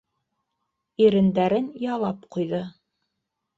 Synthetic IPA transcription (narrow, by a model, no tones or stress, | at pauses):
iɾɘ̆nd̪æɾɘnjɑlˠɑpqujðɤ